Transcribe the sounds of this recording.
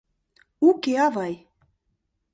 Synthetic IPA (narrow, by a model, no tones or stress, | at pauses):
ukeɑvɑj